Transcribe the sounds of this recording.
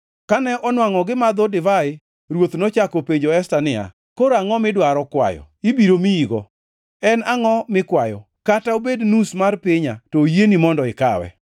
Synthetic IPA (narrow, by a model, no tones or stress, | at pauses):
kanɛʔɔnwaŋɔɡɪmad̪odɪvaɪ | ɾwot̪not͡ʃakopeɲd͡ʒoɛstanɪa̰ | koɾaŋɔmɪdwaɾɔkwa̰jɔ̰ | ibiɾomiiɡɔ̰ | ɛnaŋɔmɪkwajɔ̰ | kataobednusmarpɪɲatojenimɔndɔɪka̰wɛ̰